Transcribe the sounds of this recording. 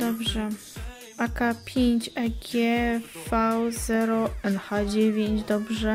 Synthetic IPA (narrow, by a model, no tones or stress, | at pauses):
d̪ɔbʐɛ | akapʲjeɲt͡ɕɛɡʲjɛfawzɛɾɔɛnxad͡ʑevʲjeɲd͡ʑd̪ɔbʐɛ